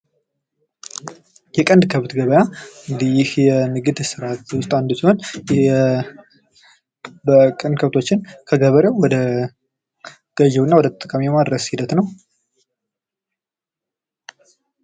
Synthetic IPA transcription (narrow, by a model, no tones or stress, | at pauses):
jɛkʼənd̪ɨkʰəβɨt̪ɡəβəjaɨnd̪ijɪhjɛnɨɡɨd̪sɨɾat̪wʊst̪ʼand̪usihonjɛ | bəkʼɨnkʰəβt̪ʰo̞t͡ʃːɪnkʰəɡəβəɾjewwɔd̪ə | ɡ̥əʒɛwnːawɔd̪ət̪ʼt̪ʼːəkʼamijɛmad̪ɾəshid̪ət̪nəw